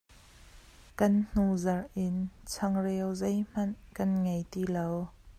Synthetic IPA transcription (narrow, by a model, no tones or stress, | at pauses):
kɐnn̥uzɐrʔɪnt͡sʰɐŋrɛwzejm̥ɐnkɐnŋejt̪ilow